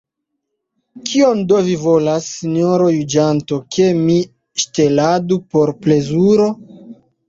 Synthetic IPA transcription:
kʰio̞ndovivo̞lasːinoɾo̞jud͡ʒanto̞kʰe̞mi | ʃte̞ladupo̞ɾple̞zuɾo̞

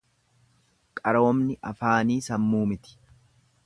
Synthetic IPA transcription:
kʼɐɾoːmnɪʔɐfaːniːsɐmːuːmɪt̪ɪ̥

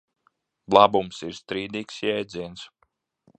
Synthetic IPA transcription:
blˠabumsiɾst̪ɾiːd̪iːksjɛjd̪zʲiɛns

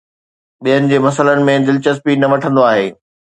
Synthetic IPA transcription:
ɓijɦənɪ̆d͡ʑeːmɐsələnɪ̆mẽd̪ɪlt͡ɕəs̬piːnɐʋɐʈʰə̃nd̪oaːɦeː

